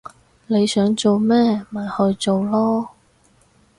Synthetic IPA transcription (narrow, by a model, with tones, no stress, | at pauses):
ne˨˧jsœː˨˥ŋt͡so˨wmɛː˥mɐa˨˩jhɵ˧ɥt͡so˨wlɔː˥